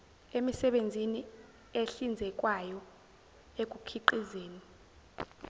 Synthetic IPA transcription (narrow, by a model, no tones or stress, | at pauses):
emisɛɓend͡zʱini | eɬind͡zʱɛkʼwajɔ | ek̬ʼukʰiǃizeːni